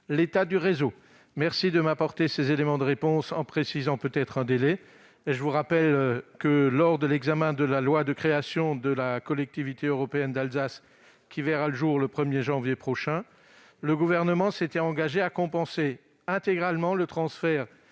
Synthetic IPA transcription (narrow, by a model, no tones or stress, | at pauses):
let̪ad̪yʁezo | mɛʁsid̪əmapɔʁt̪esezelemɑ̃d̪əʁepɔ̃sɑ̃pχesizɑ̃pøt̪ɛt̪χɛ̃d̪elɛ | eʒəvuʁapɛlkəlɔʁd̪əlɛɡzamɛ̃d̪əlalwad̪əkχeasjɔ̃d̪əlakɔlɛk̚t̪ivit̪eøʁɔpeɛnd̪alzas | kʲivɛʁaləʒuʁləpχəmjeʒɑ̃vjepχɔʃɛ̃ | ləɡuvɛʁnəmɑ̃set̪ɛɑ̃ɡaʒeakɔ̃pɑ̃se | ɛ̃t̪eɡʁalmɑ̃lət̪χɑ̃sfɛʁ